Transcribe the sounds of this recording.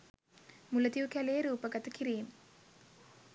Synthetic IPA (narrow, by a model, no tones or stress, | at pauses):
mulɐd̪iʋkælejɐɾuːpɐɡɐt̪ɐkiɾijim